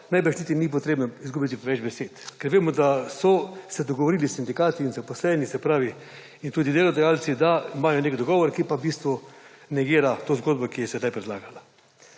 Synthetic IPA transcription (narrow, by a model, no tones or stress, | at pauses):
najbɛʃnit̪inip̬ɔt̪ɾeːbnɔizɡubit̪ipɛʋɛd͡ʒbɛseːt̪kɛɾʋeːmɔd̪asɔsɛd̪ɔɡɔʋɔɾiːlisːind̪ikaːt̪iːnzapɔslɛnisɛpɾaːʋi | int̪uːd̪id̪eːlɔd̪ajaːlt̪sid̪aimaːjɔnekd̪ɔɡɔːʋɔɾkipabist̪ʋu | nɛɡiːɾat̪oːzɡoːd̪bɔkijɛsɛd̪ajpɾɛd̪laːɡala